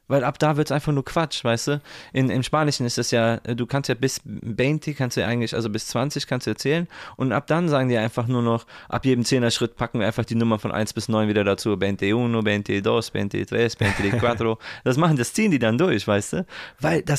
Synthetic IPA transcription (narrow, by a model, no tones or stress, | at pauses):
vaɪlʔapd̥aːvɪɐtsʔaɪ̃nfaχnuːɐkʰv̥at͡ʃv̥aɪstd̥uːʔɪnɪmʃpaːnɪʃn̩ɪstɛsjaːduːkʰanstjaːbɪsbɛːntʰikʰanstduːja̰ʔaɪɡŋ̩tlɪçʔa̰lzobɪst͡sv̥ant͡sɪçkʰanstduːjaɐt͡sɛːlənʔʊntʔa̰p̚d̥anzaːɡŋ̩diːʔaɪnfaχnuːɐnɔχʔa̰pjeːdm̩t͡seːnɐʃʁ̥ɪt̚pʰakŋ̩iaɪnfaχd̥iːnʊmɐfɔnʔa̰ɪnsb̥ɪsnɔʏnviːdɐdat͡suːbɛːnt̚euːnobent̚eːdɔsb̥ɛ̰ntḛdʁɛsb̥ɛɪntːdekv̥atʁod̥as̬maχn̩dast͡siːəndiːdandʊɐçv̥aɪstd̥uːvaɪldas